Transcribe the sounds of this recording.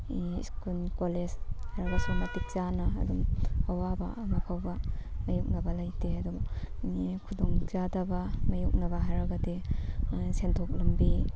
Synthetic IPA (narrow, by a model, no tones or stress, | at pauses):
ḭskulkoleshaɾɐɡɐsumɐtik̚zanɐ̰ːdumɐwabɐ̰mɐpʰawbɐmɐjuk̚nɐbɐlajteɐdub | kʰudoŋzadɐbɐmɐjok̚nɐbɐɦaɾɐɡɐde | sentʰok̚lɐmbi